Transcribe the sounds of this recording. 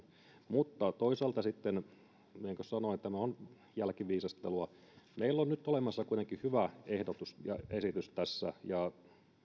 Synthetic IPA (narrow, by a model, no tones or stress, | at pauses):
mut̪ːɑt̪oisɑːlt̪ɑsit̪ːen | eŋkøssɑnoit̪ːæmæon | jælkiʋiːsɑst̪eluɑ | meilːonnyt̪ːolemɑsːɑkuit̪eŋkihyʋæehdot̪usjɑ̰esit̪yst̪æsːæ̰jɑ